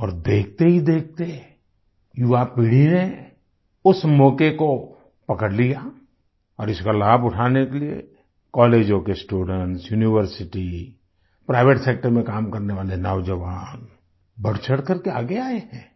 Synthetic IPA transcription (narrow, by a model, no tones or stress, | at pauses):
ɔːɾd̪eːk̚ʰt̪eɦid̪eːk̚ʰt̪e | jʊʋapiɽ̤ine | ʊsmɔːkeko | pɐkəɽlija | ɔːɾɪskalaːbʊʈʰaːnekeliḛ | kɔːleːd͡ʒõkesʈuːɖə̃ɳʈsjuːniʋəɾsɪʈi | pɾaːɪʋeʈseːk̚ʈəɾmẽkaːmkɐɾneʋaːlenɔːʋd͡ʒəʋaːn | bɐɽ̤t͡ʃʰəɽkɐɾkeaːɡeaːeɦɛ̃ː